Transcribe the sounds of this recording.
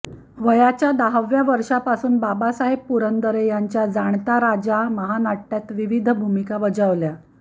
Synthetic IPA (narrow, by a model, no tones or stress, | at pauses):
ʋəjat͡ɕjad̪aɦəʋjaʋəɾʂapasuːnbabasaɦeppuɾənd̪əɾejaɲt͡ɕjad͡zaɳt̪aɾad͡ʑaməɦanaʈːjat̪ʋiʋid̪ʱbʱumikaʋəd͡zəʋlja